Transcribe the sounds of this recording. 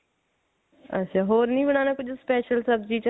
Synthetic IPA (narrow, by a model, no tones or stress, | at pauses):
ɐ̰tːʃʰaːɦoːɾnəĩːbəɽ̃aːnaːkʊt͡ʃʰspɛːʃəlsɐbd͡ʒiːt͡ʃ